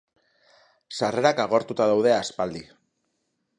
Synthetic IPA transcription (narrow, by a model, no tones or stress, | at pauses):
sare̞ɾakaɣo̞ɾt̪ut̪aðawð̞e̞aspald̪i